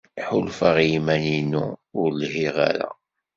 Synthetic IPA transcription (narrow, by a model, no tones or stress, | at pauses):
ħʊlfaʁjimæninṵʊɾlhiʁa̰ɾa̰